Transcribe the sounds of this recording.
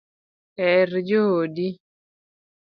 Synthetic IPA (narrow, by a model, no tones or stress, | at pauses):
ɛɾd͡ʒohodi